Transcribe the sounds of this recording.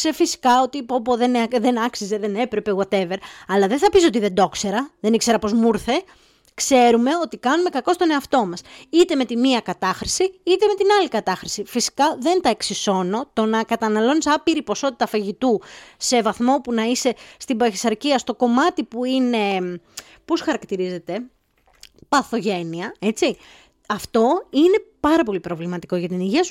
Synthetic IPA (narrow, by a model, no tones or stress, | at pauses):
sefisi̥kɐo̞t̪ipopoðenðenɐksizeðe̞ne̞pɾepeɣwɐt̪e̞ve̞ɾɐlɐðeθɐpiso̞t̪iðe̞nd̪o̞kse̞ɾɐðe̞nikse̞ɾɐpo̞zmuɾθe̞ | kse̞ɾume̞o̞t̪ikɐnume̞kɐko̞st̪one̞ɐft̪o̞mɐsit̪e̞me̞t̪imiɐkɐt̪ɐxɾisiit̪e̞me̞t̪inɐlikɐt̪ɐxɾisifisi̥kɐðe̞nt̪ɐeksiso̞no̞t̪o̞nɐkɐt̪ɐnɐlo̞nisɐpiɾipo̞so̞t̪it̪ɐfɐʝit̪use̞vɐθmo̞punɐise̞st̪ibɐçisɐɾciɐst̪o̞ko̞mɐt̪ipuine̞ | po̞sxɐɾɐkt̪iɾize̞t̪e̞ | pɐθo̞ʝe̞niɐe̞t͡si | ɐft̪o̞ine̞pɐɾɐpo̞lipɾo̞vlimɐt̪i̥ko̞ʝɐt̪iniʝiɐsu